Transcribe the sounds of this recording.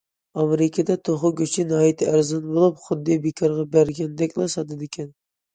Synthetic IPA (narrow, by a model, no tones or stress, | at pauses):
ɑmeɾɪkʲʰəd̪ɛt̪ʰoχʊɡʲøt͡ʃʰinɑːjit̪ʰɪæɾzɑnbolˠup̚χʊd̪ːijbekʰɑɾʁɑbæɾɡʲɛnd̪ɛkʲlˠɑsɑd̪ɨd̪ɪkʲʰɛn